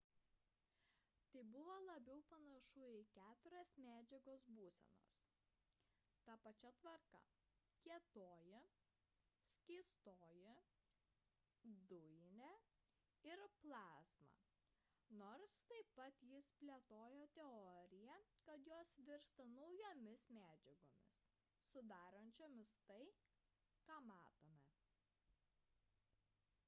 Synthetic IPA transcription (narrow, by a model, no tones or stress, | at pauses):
t̪ɐɪbʊʋoːlˠɐbʲɛʊpɐnɐʃʊɪkʲæːt̪ʊɾʲɛːsmʲæːd͡ʒʲɛɡoːsbuːsʲɛ̰no̰ːs | t̪ɐpɐt͡ʃʲɛt̪ʋɐɾkɐ̰ | kʲiɛt̪oːjɪ | sʲkʲɪɪst̪oːjɪ | d̪ʊjɪnʲɛ | ɪɾplˠɑːsmɑ̰ | noːɾst̪ɐɪpɐt̪jɪspʲlʲiɛt̪oːjoːt̪ʲɛɔɾʲɪjɛkɐt̪joːsʋʲɪɾst̪ɐnɐʊjoːmʲɪsmʲæːd͡ʒʲɛɡoːmʲɪ̰sː | ʊd̪ɑːɾɐnʲt͡ʃʲoːmʲɪst̪ɐɪ | kɑːmɑːt̪oːmʲɛ